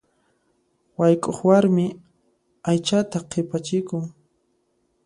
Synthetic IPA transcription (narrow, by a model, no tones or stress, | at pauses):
wajkʼoχwaɾmɪ | ajt͡ʃat̪aqʰɪpat͡ʃɪkʊŋ